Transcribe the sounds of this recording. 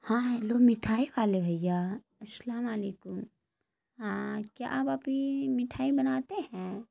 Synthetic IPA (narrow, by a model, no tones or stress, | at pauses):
hãːɦloːɡmɪʈʰaːiʋaːlebʱɐjjːa | ɐslaːmaleːkʊm | ɦãkja̰ʔabapimɪʈʰaːibɐnaːt̪eɦɛ̃